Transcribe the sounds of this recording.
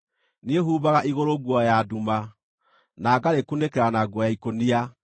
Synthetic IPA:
nieɦuːβaɣaʔiɣoɾoɣwɔjaduma | naɡaɾekunekɛɾanaɡwɔjaikonia

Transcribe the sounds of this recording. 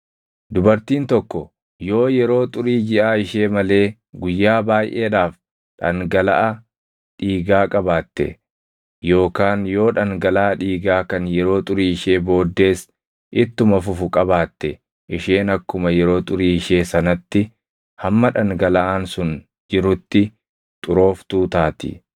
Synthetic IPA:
d̪ʊbɐɾt̪iːnt̪ɔkːɔ | jo̞ːjɛɾo̞ːt̪ʼʊɾiːd͡ʒɪʔaːɪʃe̞ːmɐle̞ː | ɡʊjːaːbaːjʔe̞ːᶑaːf | ᶑɐ̰ŋɡɐlɐ̰ʔɐ | ᶑiːɡaːkʼɐbaːt̪ːɛ̰ | jo̞ːkaːnjo̞ːᶑɐŋɡɐlaːɐᶑiːɡaːkɐnjɛɾo̞ːt̪ʼʊɾiːɪʃe̞ːbo̞ːd̪ːe̞ːs | ʔɪt̪ːʊmɐfʊfʊkʼɐbaːt̪ːɛ | ʔɪʃe̞ːnɐkːʊmɐjɛɾo̞ːt̪ʼʊɾiːɪʃe̞ːsɐnɐt̪ːɪ | hɐmːɐᶑɐŋɡɐlɐʔaːnsʊn | d͡ʒɪɾʊt̪ːɪ | t̪ʼʊɾo̞ːft̪uːt̪aːt̪ɪ̰

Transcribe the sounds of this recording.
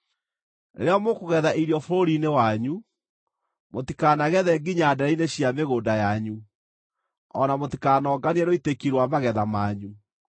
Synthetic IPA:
nḛɾeɔmokoɣɛðaʔiɾijɔfoɾoɾinewaɲu | motikaːnaɣɛðɛɡiɲaːdɛɾaineɕjameɣoːdajaɲu | ɔnamotikaːnɔːɡaniɛnoitekiɾwamaɣɛðamaːɲu

